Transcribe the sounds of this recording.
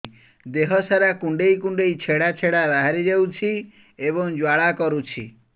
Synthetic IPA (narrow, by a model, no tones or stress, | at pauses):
d̪eɦɔsaɾakuɳɖejkuɳɖejt͡ʃʰeɽat͡ʃʰeɽaɾaɦaɾid͡ʒewt͡ʃʰi | eβɔŋd͡ʒwaɭakɔɾut͡ʃʰi